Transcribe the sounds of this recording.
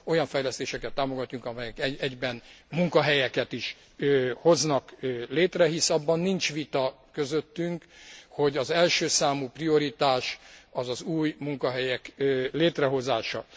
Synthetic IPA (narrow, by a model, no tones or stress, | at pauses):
o̞jɒɱfɛjlɛst̪eːʃɛkɛt̪ːaːmo̞ɡɒt̪ːuŋkɒmɛjɛkɛɛɟbɛnmuŋkɒɦɛjɛkɛt̪iʃ | ho̞znɒkleːt̪rɛɦisɒbːɒnːint͡ʃʋit̪ɒ | kø̞zøt̪ːyŋkho̞ɟɒzɛlʃøːsaːmuːprio̞ɾit̪aːʃɒzɒzuːjmuŋkɒɦɛjɛkːleːt̪rɛɦo̞zaːʃɒ̰